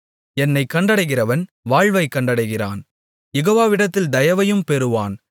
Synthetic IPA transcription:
ɛnːɐɪkːɐɳɖɐɽɐɪɣɪrɐʋɐn | ʋaːɻʋɐɪkːɐɳɖɐɽɐɪɣɪra̰ːn | jɛɣoːʋaːʋɪɽɐt̪ːɪld̪ɐjɐʋɐjɯmpɛɾɯʋaːn

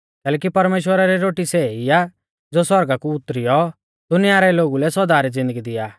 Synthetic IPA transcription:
kɛːlɛːkipɐɾmeːʃwəɾaɾɛɾoːʈiseija | d͡zoːswɔɾɡakuʊt̪ːɾijɔ | d̪̥ʊnɪjaɾɛloːɡulɛsɔd̪aːɾid͡zɪ̃nd̪əɡid̪ɪjaː

